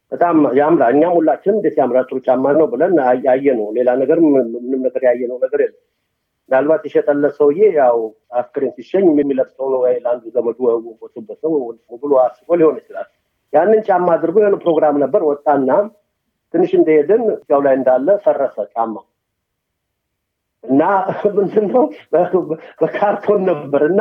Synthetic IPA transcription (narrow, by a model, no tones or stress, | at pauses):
b̥ət̪ʼamjamɾaɨɲːamhulːat͡ʃːɪnmbet̪jamɾat̪ʼɨɾut͡ʃʼamːanəwbɨlənjajːɛnəwle̞lanəɡəɾɨɨnɨmnəɡəɾjajːɛnəwnəɡəɾjɛlnːəw | ndalbat̪jɛʃɛt̪ʼəlːəsəwɨjejaw | askəɾimsiʃɛɲːɛmːɛmːiləft̪ʰəwnəwɔjləand̪uzəməd͡ʒ̪uwəwukot̪ʰɨbːət̪əwmubɨloasɨkʼoliho̞nɨt͡ʃːɪla̰l | janːɨnt͡ʃʼamːad̪ɨɾɡojɛhnːəwpɾo̞ɡɾamnəbːəɾwɔt̪ʼːaɨnːa | t̪ʰɨnːɨʃɨnd̪əhed̪ɨnzʼawlajɨnd̪alːəsərːəsət͡ʃʼamːa | ʔɨnːamɨnd̪ɨnːəw | bəkʰaɾt̪ʰo̞nːəbːəɾɨnːa